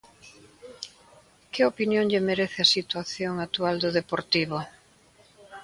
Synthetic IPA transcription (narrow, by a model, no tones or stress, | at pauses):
kɪopinjoŋʎemeɾeθɪasit̪waθjoŋat̪uald̪ʊðepoɾt̪iβʊ